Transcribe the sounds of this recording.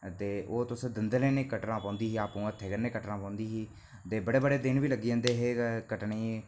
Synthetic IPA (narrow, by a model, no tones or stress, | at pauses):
t̪eːʔoːt̪ʊsd̪ɪnd̪leːneːkəʈnãːpãːnd̪iːɦiːaːpũːət̪ʰːeːkəɾneːkəʈnãːpãːnd̪iːɦiː | t̪eːbəɽeːbəɽeːd̪ɪnʋiːləɡiãːnd̪eːɦeːkəʈɳeː